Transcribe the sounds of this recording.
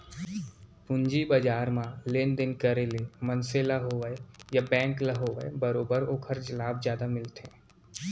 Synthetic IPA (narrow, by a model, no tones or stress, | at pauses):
pʊ̃ɲd͡ʒibəd͡ʒaːɾmãleːnd̪ɪnkəɾelemənselaɦoʋəejabɛ̃ːŋkləɦoːʋəbɐɾoːbəɾoːkʰəɾd͡ʒlaːbd͡ʒjaːd̪amɪlt̪ʰḛ̃ː